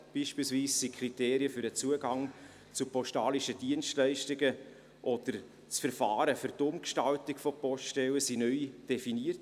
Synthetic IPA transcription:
b̥iːʃpiːlsviːsːikʰriteːɾiəfʏɾət͡suəɡɑŋ | t͡supɔsʃtɑːliʃəd̥iənstlɛɪʃtɪɡə | ʔɔd̥əɾ | t͡sfɛɾfɑːɾəfʏɾtʊmkʃtɑltɪkfɔpɔstɛwəsinœʏd̥efiniət

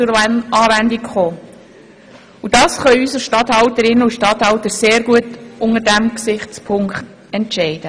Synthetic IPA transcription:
ʊɑːvændikχoː | ud̥ɑːsχœʏysəʃtɑthɑʊtəɾɪnːəuʃtɑt̪hɑʊtəɾseːɾɡuətʊŋədæmksɪχtt͡spʰʊŋkχt̪ | ɛntʃɛɪd̥ə

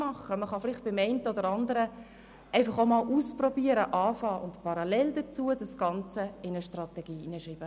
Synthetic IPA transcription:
mɑχəməχɑfɪlɪχt̚b̥ɪmɛɪntəodəɾɑndəɾə | ʔɛɪfɑχomɑlʔuːsprɔbiəɾəʔɑːfɑːʔʊntpɑɾɑlɛldət͡suːədɑsɡ̥ɑnt͡səɪnəʃtrɑt̪ɛɡ̥iːinəʃiːb̥ə

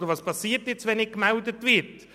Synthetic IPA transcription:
dəɾvɑːspʰɑsiːətjɛt͡svɛnɪkmɛldətvɪɾt

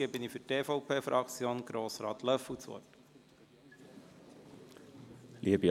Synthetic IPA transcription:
ebɪnifʏteːfɔʊpʰeːfɾʔɑkt͡sjoːnɡ̥ɾoːsɾɑːt̪lœfut͡sɔ̰ːt | liəbi

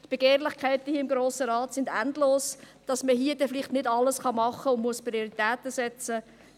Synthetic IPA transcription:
t̪b̥eɡ̥eːɾlɪχkæɪt̪əhiːəɪmɡ̥ɾoːsəɾɑːt̪sɪndændloːs | d̥ɑsməɦiːəd̥ɛfliχtnɪdɑləsχɑmɑχəʊnmuəspɾioɾit̪æːt̪əsɛt͡sə

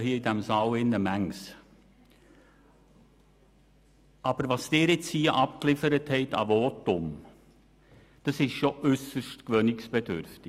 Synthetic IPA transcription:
hiːəidæmsɑlɪnːəmæŋs | ʔɑb̥əɾʋɑst̪eːɾɪt͡shiːəʔɑpklɪfəɾəthɛɪtɑ̰vɔːtʊm | d̥ɑsɪʃʃoʔʏsəʃtkʋœnɪksb̥ɛdʏ̰ɾftɪ

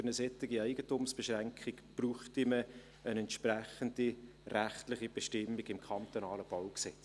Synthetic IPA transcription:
ənəsɛt̪ːɪɡiɛɪɡ̥ətumsb̥ɛʃræŋkʰχikb̥ruːχtimə | ənɛntʃpræχəndi | ræχtlɪχib̥ɛʃtɪmːiɡɪmkʰɑnt̪onɑːləb̥ɑwksɛt͡s

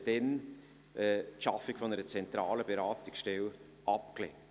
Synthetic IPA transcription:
d̥ɛn | ʔɛtʃɑfːɪkfɔnəɾət͡sɛntɾɑːləbeɾaːt̪ɪksʃtɛl | ʔɑpklɛ

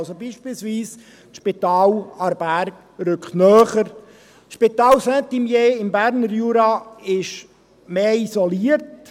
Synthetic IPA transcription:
lsobiːʃpiːlsviːs | tʃpit̪ɑːlɑɾbæɾɡ | ɾʏkχtnœːχəɾ | ʃpit̪ɑːlsɛnt̪imjeːɪmbæɾnəɾjuːɾɑɪʃ | meːisoliəɾt

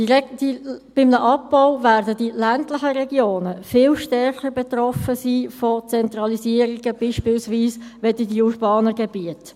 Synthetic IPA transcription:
d̥ib̥ɪmnəʔɑpːaʊvæːɾdədilæntlɪχəɾɛɡjoːnəfɪlʃtɛrχərbɛt̪rɔfəsiːfɔt͡sɛnt̪rɑliziːəɾiɡəb̥iːʃpɪːlsviːsʋɛdədiurbɑːnəɡɛbiət

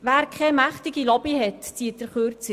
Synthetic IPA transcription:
ʋæːɾkχɛmæχt̪ɪɡilɔb̥iɦɛtt͡siːət̚d̥əɾχøɾt͡si

